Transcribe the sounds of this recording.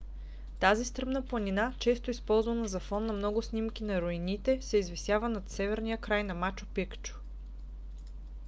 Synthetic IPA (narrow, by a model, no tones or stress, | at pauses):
t̪azist̪ɾɤmnəplˠɐnʲinat͡ʃɛst̪ʊispɔlˠzvɐnəzɐfɔnːɐmnɔɡʊsnʲimkinɐɾoinit̪ɛsɛizvɛsjavənɐt̪sɛvɛɾnijəkɾajnɐmat͡ʃʊ̥pikt͡ʃʊ̥